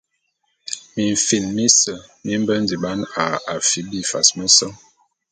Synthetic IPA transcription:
mi˨ɱ˨fi˨nmi˦sə˨mi˦m˦bə˦n˦di˨ɓa˦na˨a˨fi˨˦bi˦fa̰˨smə˦sɔ˦

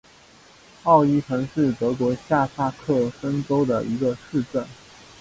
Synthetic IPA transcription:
ɑ˥˧ʊi˥˩ʈ͡ʂʰɤ˧˥ŋʂɻ̩˥˩t̪ɤ˧˥k̬wɔ˧˥ɕja˥˧sa˥˧kʰɤ˥˩ʂə˥ŋʈ͡ʂo˥ʊd̪ə̰˨˩ʔi˧˥ɡə˧ʂɻ̩˥˧ʈ͡ʂə˥˩n

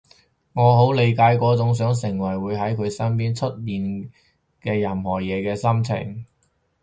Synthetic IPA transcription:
ŋɔː˨˧ɦo˨˥wle˨˧jkaː˧jkɔː˨˥t͡sʊ˨˥ŋs̬œː˨˥ŋsɪ˨˩ŋwɐ˨˩jwuː˨˧jɦɐ˨˥jkʰɵ˨˧ɥsɐ˥np̬iː˥nt͡ʃʰɵ˥t̚jiː˨˧n | kɛː˧jɐ˨mhɔː˨˩jɛː˨˧kɛː˧sɐ˥mt͡sʰɪ̰˨˩ŋ

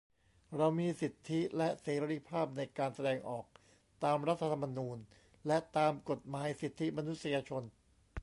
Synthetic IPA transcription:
ɾa˧wmiː˧si˨˩t̪ʰːi˦˥lɛ˦˥ʔseː˨˦˥ɾiː˧˥pʰaː˥˩p̚na˧jkaː˧nsa˧dɛː˧ŋʔɔː˨˩k̚ | t̪aː˧mɾa˦˥t̪ʰːa˧t̪ʰa˧mːa˧nuː˧n | lɛ˦˥t̪aː˧mko˨˩t̪̚maː˩˨˦jsi˨˩t̪ʰːi˦˥ma˧nu˦˥t̪̚si˧jaː˧t͡ɕʰo˧n

